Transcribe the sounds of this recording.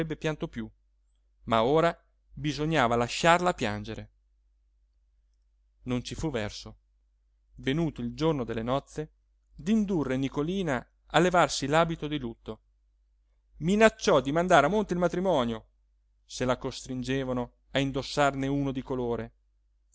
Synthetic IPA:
ɛbːepjant̪opju | maoːɾa | bizoɲːaːvalaʃːarlapja̰nd͡ʒeɾe | nont͡ʃifuvːɛrso | venuːt̪oild͡ʒornod̪elːenɔt̪sːe | d̪ind̪urːenikoliːna | alːevarsilaːbit̪od̪ilut̪ːo | minat͡ʃːɔd̪imand̪aːɾamːont̪eilmat̪ɾimɔːnjo | selakost̪ɾind͡ʒeːvano | aind̪osːarneuːnod̪ikoloːɾe

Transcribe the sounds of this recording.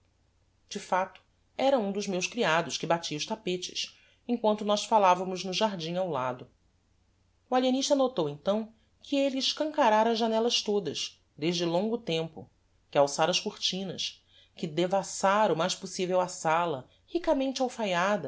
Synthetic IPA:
d͡ʒɪfat̪ʊ̥ | ɛɾɐũd̪ʊzmewʃkɾiad̪ʊʃkɪbat͡ʃiɐʊʃt̪apet͡ʃɪ̥̰s | ẽŋkwɐ̃nt̪ʊnɔsfalavɐmʊznʊʒaɦd͡ʒĩŋawla̰d̪ʊ | ualieniʃt̪ɐnot̪owẽnt̪ɐ̃w̃ | kʰɪelɪːʃkɐ̃ŋkaɾaɾɐzʒːanɛlɐʃt̪od̪ɐʃ | d̪eʒd͡ʒɪlõŋɡʊt̪ẽmpʊ̰ | kɪawsaɾɐʃkuɾt͡ʃĩnɐ̰ʃ | kɪd̪evasaɾʊmajʃposivewɐsalɐ̰ | hikɐmẽnt͡ʃɪawfajad̪ɐ

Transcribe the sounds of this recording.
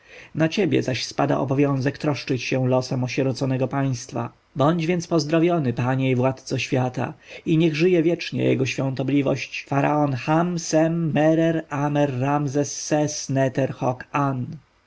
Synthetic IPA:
nat͡ɕebʲjɛ̰zaɕspad̪a̰ʔɔ̰bɔvʲjɔ̃w̃zɛkt̪ɾɔʂt͡ʂɘt͡ɕɕɛ̃lɔsɛmɔɕɛɾɔt̪sɔnɛɡɔpaj̃st̪fa̰ | bɔɲd͡ʑvʲjɛntspɔzd̪ɾavʲjɔnɘpaɲɛivwat̪t̪sɔɕfʲjat̪a̰iɲɛɣʐɘjɛvʲjɛt͡ʂɲɛ̰jɛ̰ɡɔɕfʲjɔ̃nt̪ɔblʲivɔ̰ɕt͡ɕfaɾa̰ɔnxamsɛmːɛɾɛɾamɛɾːamzɛsːɛsnɛt̪ɛɾxɔkan

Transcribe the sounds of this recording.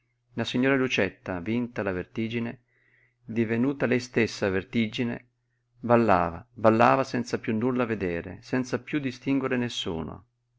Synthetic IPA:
nasiɲːoːɾalut͡ʃɛt̪ːavint̪alavert̪iːd͡ʒine | d̪ivenuːt̪alɛjst̪esːavert̪id͡ʒinḛ | balːaːvabalːaːvasɛnt̪sapjunːulːaved̪ɛːɾḛsɛnt̪sapjud̪ist̪iŋɡweɾenesːṵːno̰

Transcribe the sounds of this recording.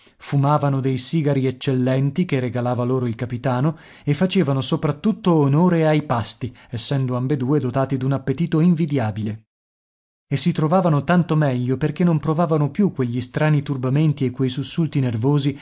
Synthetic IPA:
fumaːvanod̪ejsiːɡaɾiet͡ʃːelːɛnt̪ikereɡalaːvaloːɾoilkapit̪aːno | efːat͡ʃeːvanosopɾat̪ːut̪ːoːnoːɾeajpast̪iesːɛnd̪oambed̪uːed̪ot̪aːt̪id̪unapːet̪iːt̪oiɱvid̪jaːbile | esːit̪ɾovaːvanot̪ant̪omɛʎːoperkenːompɾovaːvanopjukːweʎːist̪ɾaːnit̪urbament̪iekːwejsusːult̪inervoːzi

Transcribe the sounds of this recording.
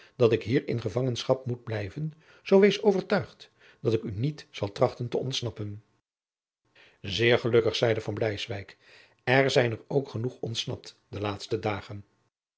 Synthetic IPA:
dɑtɪkɦiːɹɪ̰nχəvɑŋənsχɑp̚mud̚blɛjvən | z̥owʋejsowvəɹtœɥχt | dɑtɪkynitz̥ɑlˠtrɑχtəntəɔntsnɑpən | zɪːɹχəlɵkəχsɛjdəvɑnblɛjsʋɛjk | ɛɹzɛjnəɹowkχənuχɔntsnɑ̰p̚t | dəlaːtstədaːχən

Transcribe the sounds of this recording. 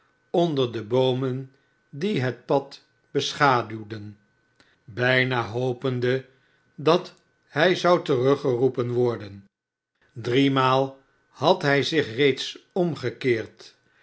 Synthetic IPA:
ɔndəɹdəbowmən | diɦət̚pɑt | b̥əsχaːdywdən | bɛjnaːɦowpəndə | dɑt | hɛjzɑwtərɵχərupənʋɔɹdən | drimaːlˠ | hɑtɦɛjzɪχrejtsɔmχəkɪːɹt

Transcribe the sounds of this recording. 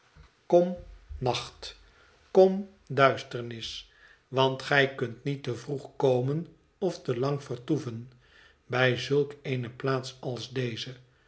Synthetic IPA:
kɔmnɑχt | kɔm | dœɥstəɹnɪs | ʋɑntχɛjkɵntnitəvruχkowmən | ɔftəlɑŋfəɹtuvən | bɛjzɵlˠkejnəplaːtsɑlˠzdejzə

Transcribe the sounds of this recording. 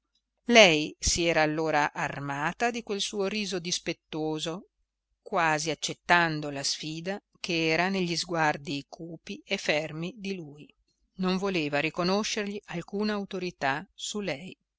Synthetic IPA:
lɛjsiɛːɾaːlːoːɾaʔarmaːt̪ad̪ikwelsuːoɾiːzod̪ispet̪ːoːzo | kwaːziat͡ʃːet̪ːand̪olasfiːd̪a | keɛːɾaneʎːizɡward̪ikʰuːpiefːɛrmid̪iluːj | noɱvoleːvaɾikonoʃːerʎialkuːnaːwt̪oɾit̪asulɛj

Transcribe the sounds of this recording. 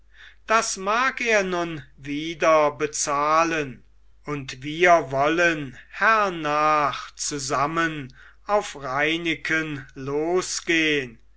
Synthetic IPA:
d̥asmaːkeːɐnʊnviːdɐbət͡saːlən | ʊntviːɐvɔlənhɛɐnaːχt͡suzamən | aʊfʁaɪnɪkʰənloːsɡ̥eːən

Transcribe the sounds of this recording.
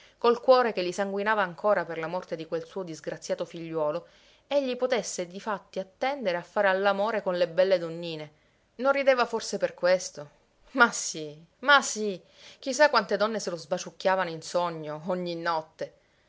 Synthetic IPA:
kolkwɔːɾekelːisaŋɡwinaːvaːŋkʰoːɾaperlamɔrt̪ed̪ikwelsuːod̪izɡɾat̪sːjaːt̪ofiʎːwɔːlo | eʎːipot̪esːed̪ifat̪ːiat̪ːɛnd̪eɾeafːaːɾealːamoːɾekonlebɛlːed̪onːiːne | nonrːid̪eːvaforseperkwest̪o | masi | masi | k̟is̬ːakːwant̪ed̪ɔnːeselozbat͡ʃukːaːvanoinsoɲːooɲːinːɔt̪ːe

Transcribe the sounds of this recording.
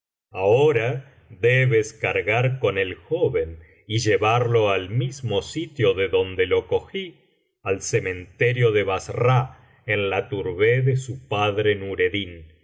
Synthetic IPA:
aoɾa | ðeβeskaɾɣaɾko̞nelxoβe̞n | iʒeβaɾlo̞almizmosit̪jo̞ðeðo̞nd̪e̞lo̞ko̞xi | alsemẽ̞nt̪eɾjo̞ðeβasra | enlat̪uɾβeðesupaðɾenuɾe̞ðin

